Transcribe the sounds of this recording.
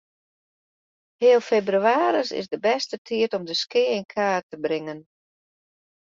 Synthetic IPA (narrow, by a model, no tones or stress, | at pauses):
hɪːəlˠfebryaːɾəsɪ̰sdəbɛstətʰiətɔmdəskɪːɪnkʰaːtəbɾɪŋən